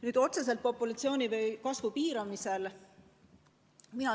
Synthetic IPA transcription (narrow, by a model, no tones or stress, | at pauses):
nyːd̪̥o̞t̪se̞s̬elt̪̚po̞pːˑulɑt̪sio̞ːnʲivejkɑsvupiːɾɑmise̞l | minɑ